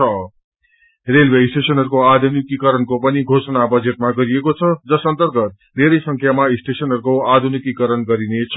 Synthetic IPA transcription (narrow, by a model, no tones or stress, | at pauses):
ʌ | relbʱeisʈesʌnɦʌɾukoad̪ʱunikikʌɾʌnkopʌniɡʱosʌnabʌd͡zet̪̚maɡʌɾiekot͡sʰʌd͡zʌsʌnt̪ʌrɡʌt̪̚ | neɾʌjsʌŋkʰjamaisʈesʌnɦʌɾukoad̪ʱunikikʌɾʌnɡʌɾinet͡sʰʌ